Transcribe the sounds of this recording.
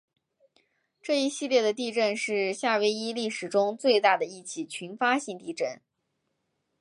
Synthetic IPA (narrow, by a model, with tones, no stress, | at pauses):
ʈ͡ʂɤ˥˩i˧˥ɕi˥˧ljɛ˥˩d̪ə˩t̪i˥˧ʈ͡ʂə˥˧nʂɻ̩˥˧ɕja˥˧we˥˩ɪi˥li˥˩ʂɻ̩˨˩ʈ͡ʂʊ˥ŋt͡swe˥˧ɪt̪a˥˩d̪ə˩i˥˩t͡ɕʰi˥˩t͡ɕʰy˧˥nfa˥ɕi˥˧ŋt̪i˥˧ʈ͡ʂə˥˩n